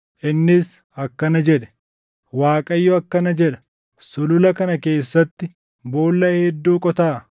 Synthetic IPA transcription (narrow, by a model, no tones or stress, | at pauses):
ʔɪnːɪs | ɐkːɐnɐd͡ʒɛᶑɛ̥ | waːkʼɐjːɔɐkːɐnɐd͡ʒɛᶑɐ̥ | sʊlʊlɐkɐnɐke̞ːsːɐt̪ːɪ | bo̞ːlːɐhɛd̪ːuːkʼɔt̪aː